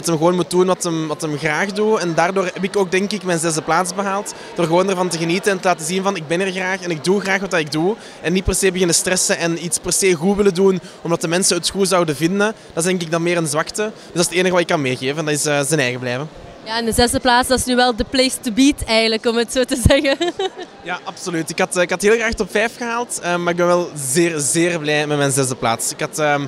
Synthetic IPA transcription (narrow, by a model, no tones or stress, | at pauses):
dɑtəmɣəʋoːnmut̚dunʋɑtəmʋɑtəmɣraːxduɛndaːrdoːrɦɛpɪkoːɡ̚dɛŋkɪkmɛjnzɛzdəplaːtsbəɦaːlˠt | d̥oːrɣəʋoːndɛrvɑntəɣənitənɛntəlaːtəzinvɑnɪɡ̚bɛnɛrɣraːxɛnɪɡ̚duɣraːxʋɑtdɑɪɡ̚du | ɛnːit̚pɛrseːbəɣɪnəstrɛsənɛnitspɛrseːɣutʋɪlədun | ɔmdɑtəmɛnsəətxuzɑwdəvɪndənd̥ɑtɪzdɛŋk̬ɪknɔxmeːrənzʋɑktəd̥øzdɑsəteːnəɣəʋɑtɪkːɑnmeːɣeːvəɛndɑtɪsəːzənɛːjɣəblɛːvə | jaɪndəzɛzdəplaːsdɑsnyːʋɛlˠdəpleːstəbiːtɛjɣənləkɔmətsoːtəzɛɣə | jaʔɑpsolytɪkɦɑtɪkɦɑtɦeːlˠɣraːxtɔpfɛjfxəɦaːlˠtəːmːaːrɪɡbɛnʋɛlˠzeːrzeːrblɛjmɛtmɛjnzɛzdəpla̰ːtsɪkɦɑtəːm